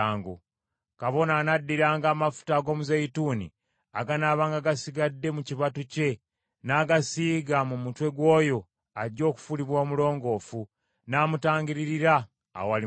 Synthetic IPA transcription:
ŋɡo̰ | kaβo̞naːnadːiɾaːŋɡaːmafu̥taːɡo̞ːmuzajituːnḭ | aɡanaːβaːŋɡaɡasiɡadːe̞muciβatuce̞ | naːɡasiːɡamumutwe̞ɡwoːjo̞ | aɟːo̞ːku̥fuliβwoːmulo̞ːŋɡo̞ːfu | naːmutaːŋɡiɾiɾiɾa̰ː | oali

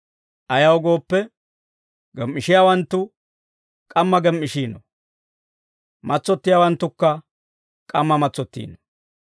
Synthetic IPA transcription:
ʔɐjɐwɡo̞ːpːɛ | ɡɛmːɪʃɪjaːwɐnt̪ːʊ | kʼɐmːɐɡɛmːɪʃiːnɔ̰ | mʔɐt͡sːɔt̪ːɪjaːwɐnt̪ːʊkːɐ | kʼɐmːɐmɐt͡sːɔt̪ːḭːnɔ̥

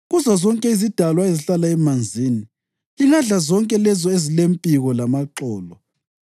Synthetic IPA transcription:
ɣuzazɔŋkʼɛizid̥ʱalwaeziɬalaɛmand͡zʱiːni | iŋaɮazɔŋkʼɛlɛzɔezilempʼiɣɔlamaǁɔːlɔ

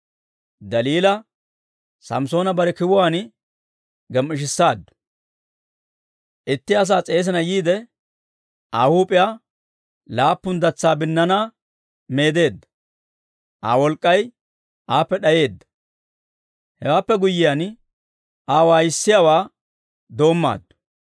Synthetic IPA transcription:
d̪ɐliːlɐ | sɐ̰mso̞ːnɐbɐɾɛkɪwʊwaːn | ɡɛmʔɪʃ̬ɪsːaːd̪ːʊ̥ | ʔɪt̪ːɪɐs̬aːt͡sʼe̞ːs̬ɪnɐjiːd̪ɛ | ʔa̰ːhuːpʼɪjaː | laːpːʊnd̪ɐt͡sːaːbɪnːɐnaː | me̞ːd̪e̞ːd̪ːɐ | ʔa̰ːwɔlkʼːɐj | ʔaːpːɛɗɐje̞ːd̪ːɐ̥ | hɛwaːpːɛɡʊjːɪjan | aːwaːjɪsːɪjaːwaː | d̪o̞ːmːa̰ːd̪ːʊ̥

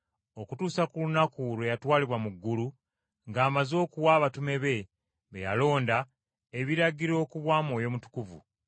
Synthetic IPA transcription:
o̞kutuːsakulunakuɾwejatwaːliβwamuɡːulu | ŋɡaːmazo̞ːkuwaːβatume̞βe̞ | βḛja̰lo̞ːnda | eβiɾaɡiɾo̞ːkuβwaːmo̞ːjo̞mutu̥kuvṵ

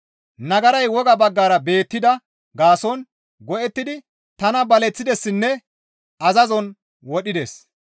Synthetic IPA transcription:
nɐɡɐɾɐjwɔɡɐbɐɡːaːɾɐbe̞ːt̪ːɪd̪ɐ | ɡaːsɔn | ɡɔʔɛt̪ːɪd̪ɪ | t̪ɐnɐbɐlɛt͡sːɪd̪ɛsːɪnːɛ | ɐzɐzɔn | wɔɗɪd̪es

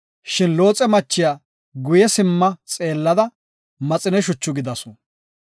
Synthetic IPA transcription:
ʃɪnlo̞ːt͡sʼɛmɐt͡ʃːɪjaː | ɡʊjɛsɪmːɐt͡sʼe̞ːlːɐd̪ɐ | mɐt͡sʼɪnɛʃ̬ʊt͡ʃːʊɡɪd̪ɐsʊ

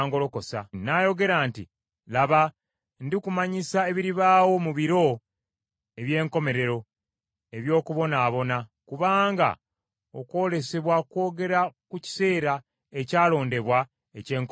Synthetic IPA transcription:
ŋɡo̞lo̞ko̞sa̰naːjo̞ɡe̞ɾaːntḭ | laβa | ndikumaɲisae̞βiɾiβaːwo̞muβiɾo̞ | e̞βje̞ːŋko̞me̞ɾe̞ɾo̞ | e̞βjo̞ːkuβo̞naːβo̞nakuβaːŋɡa̰ | o̞kwo̞ːle̞se̞βwakwo̞ːɡe̞ɾakuci̥se̞ːɾa | e̞caːlo̞ːnde̞βwa | ece̞ːŋk

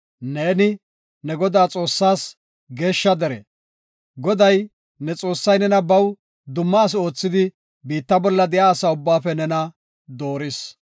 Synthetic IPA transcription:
neːnɪ | nɛɡɔd̪aːt͡sʼo̞ːsːaːs | ɡe̞ːʃːɐd̪ɛɾɛ̰ | ɡɔd̪ɐj | nɛt͡sʼo̞ːsːɐjnɛnɐbɐw | d̪ʊmːɐːs̬o̞ːt͡sːɪd̪ɪ | biːt̪ːɐbɔlːɐd̪ɛjaːsɐʊbːaːfɛnɛnɐ | d̪o̞ːɾɪs

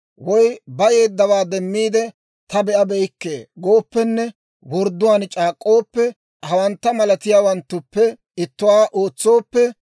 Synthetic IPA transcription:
wɔjbɐjeːd̪ːɐwaːd̪ɛmːiːd̪ɛ | t̪ɐbɛʔɐbɛjkːḛːɡo̞ːpːɛnːɛ | wɔɾd̪ːʊwaːnt͡ʃʼaːkʼːo̞ːpːɛ | hɐwɐnt̪ːɐmɐlɐt̪ɪjaːwɐnt̪ːʊpːɛ | ɪt̪ːʊwaːʔoːt͡sːo̞ːpːɛ

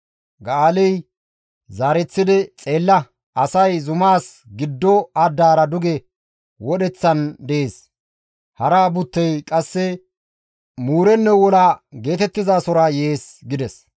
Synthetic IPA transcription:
ɡaːlɛj | zaːɾɛt͡sːɪd̪ɛt͡sʼe̞ːlːɐ | ʔɐsɐjzʊmaːs | ɡɪd̪ːɔɐd̪ːaːɾɐd̪ʊɡɛ | wɔɗɛt͡sːɐnd̪ɛeːs | hɐɾaːbʊt̪ːɛjkʼɐsːɛ | muːɾɛnːɛwɔlaːɡe̞ːt̪ɛt̪ːɪzaːsɔɾajeːsɡɪd̪ɛs

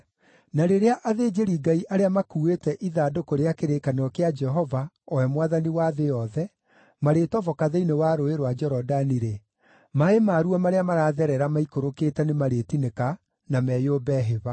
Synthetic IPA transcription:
naɾeɾeaʔaðeːd͡ʒeɾiɡaiʔaɾeamakuetɛʔiðaːdokoɾeakeɾekaneɔkead͡ʒɛɦɔva | ɔɛmwaðaniwaðejɔðɛ | maɾetɔvɔkaðeinewaɾoeɾwad͡ʒɛɾɔdaniɾe | maemaːɾuamaɾeamaɾaːðɛɾɛɾamaikoɾokeːtɛnemaɾetineka | namɛːjoːbɛɦeβa

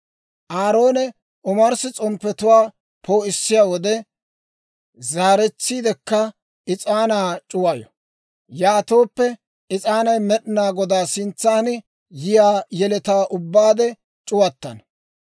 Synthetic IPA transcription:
ʔaːɾo̞ːnɛ | ʔɔmɐɾsɪt͡sʼɔmpːɛt̪ʊwaː | pʰo̞ːɪsːɪjaːwɔd̪ɛ | zaːɾɛt͡sːiːd̪ɛkːɐ | ɪt͡sʼaːnaːt͡ʃʼʊwɐjɔ̰ | jaːt̪o̞ːpːɛ | ɪt͡sʼaːnɐjmɛɗɪnaːɡɔd̪aːsɪnt͡sːaːn | jɪjaːjɛlɛt̪aːʔʊbːaːd̪ɛ | t͡ʃʼʊwɐt̪ːɐ̰n

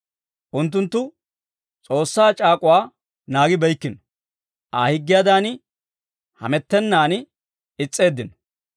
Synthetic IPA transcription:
ʔʊnt̪̬ːʊnt̪ːʊ | t͡sʼo̞ːsːaːt͡ʃʼaːkʼʊwaː | naːɡɪbɐjkːɪnɔ | ʔaːhɪɡːɪjad̪aːnɪ | hɐ̰mɛt̪ːɛnːaːnɪ | ɪt͡sʼːe̞ːd̪ːɪn

